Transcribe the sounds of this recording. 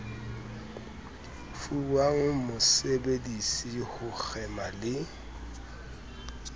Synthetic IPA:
fuwaŋ̩mʊsebedisihʊk͡xʰɛmalɪ

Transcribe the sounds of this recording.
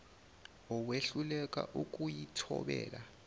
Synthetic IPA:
ɔweɬulɛkʼa̰ʔukʼujitʰɔ̰ɓɛːla

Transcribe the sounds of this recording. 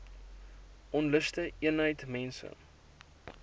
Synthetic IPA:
ʔɔnləstəiənɦəjtmɛnsə̰

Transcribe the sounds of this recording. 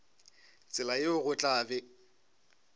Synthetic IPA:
t͡sʼɪlajeʊɣʊt͡ɬʼaːbɪ

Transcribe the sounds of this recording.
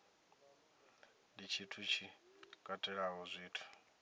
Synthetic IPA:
dit͡ʃʰitʰut͡ʃʰikʼatʼɛɺaɦɔzʷiːtʰu̥

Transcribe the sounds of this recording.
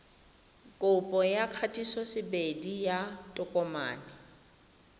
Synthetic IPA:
kʼʊpʼɔjakʰatʼisɔsɪbedijatʼʊkʼɔma̰ːnɪ

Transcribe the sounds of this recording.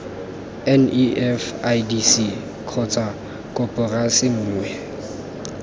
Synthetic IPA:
ɛniʔɛfajdisi | kʰɔt͡sʼa | kʼɔpʼʊrasɪŋ̩ːŋwɛ

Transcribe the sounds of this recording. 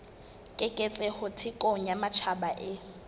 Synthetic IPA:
kʼɪkʼet͡sʼɛhʊtʰɪkʼoŋ̩jamat͡ʃʰabaʔɪ

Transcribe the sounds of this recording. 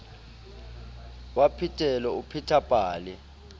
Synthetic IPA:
wapʰitʰʼɛlɛupʰitʰapʼaːlɛ

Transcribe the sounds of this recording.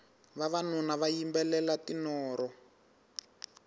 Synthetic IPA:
βaβanunaβajimbɛlɛlatinɔːɾɔ

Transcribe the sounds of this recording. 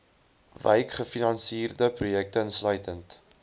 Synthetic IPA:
və̰jkχəfinɑnsiːrdəprujɛk̚təənslœɥtənt

